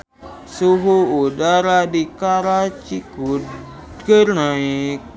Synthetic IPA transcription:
suɦuudaɾadikaɾat͡ʃiku | ɡəɾnaik̚

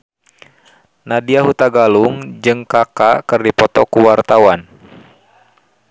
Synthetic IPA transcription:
nadiaɦut̪aɡaluŋd͡ʒɨŋkakakɨrdipɔt̪ɔkuwart̪awan

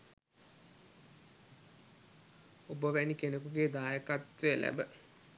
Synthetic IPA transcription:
obəʋænikenəkuɡeːd̪aːjəkat̪ʋeəlæ̰bə

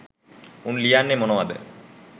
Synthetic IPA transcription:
unlijaːnːemonoːɐd̪ɨ̰

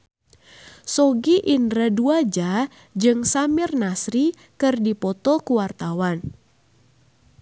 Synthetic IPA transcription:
sɔɡiʔindɾaduad͡ʒa | d͡ʒɨŋsamɪrnasɾi | kɨrdipɔt̪ɔkuwart̪awan

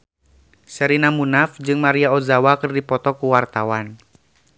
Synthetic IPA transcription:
səɾinamunafd͡ʒɨŋmaɾiaɔzawakɨrdipɔt̪ɔkuwart̪awan

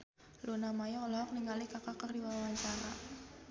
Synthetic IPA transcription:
lunamajɔulɔɦɔk̚niŋɡalikakakardiwawaɲt͡ʃaɾa

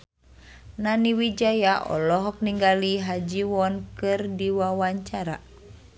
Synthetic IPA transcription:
naniwid͡ʒajaʔɔ̰lɔɦɔk̚niŋɡaliɦad͡ʒiwɔnkɨrdiwawaɲt͡ʃaɾa̰

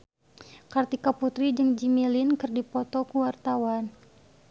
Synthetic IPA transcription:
kart̪ikaput̪ɾid͡ʒəŋd͡ʒimilinkərdipɔt̪ɔkuwart̪awan

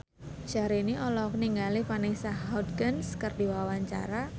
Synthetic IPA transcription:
d͡ʒ̥aɾiniʔɔlɔkniŋɡalifanisahadɡənskərdiwawaɲt͡ʃa̰ɾa

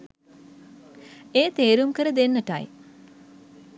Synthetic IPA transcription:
eːt̪eːɾumkəɾəd̪enːəʈa̰j

